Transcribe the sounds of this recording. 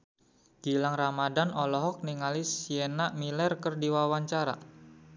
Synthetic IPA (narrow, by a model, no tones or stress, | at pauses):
ɡ̥ilaŋramadanɔlɔɦɔk̚niŋalisienaʔmilɛrkərdiwawaɲt͡ʃaɾa̰